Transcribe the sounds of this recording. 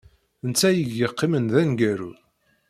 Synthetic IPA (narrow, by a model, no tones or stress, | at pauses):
nt͡sːæjəɡəqːimənðænɡæɾṵ